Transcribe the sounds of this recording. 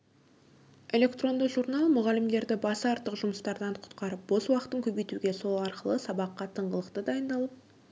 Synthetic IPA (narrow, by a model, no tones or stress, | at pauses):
e̞lʲe̞kt̪ro̞nd̪əqʒuɾnɑlˠmʊʁɑlɪmd̪e̞ɾd̪ɪbɑsɑɾt̪əqʒʊməst̪ɑɾd̪ɑɴqʰʊ̥t̪qɑɾəp̚bo̞swɑqt̪əŋkʲʰɵbejt̪uɡʲe̞so̞lˠɑɾqəlˠəsɑbɑqːɑt̪ʰəɴʁəlˠəqt̪əd̪ɑjənd̪ɑlˠəp̚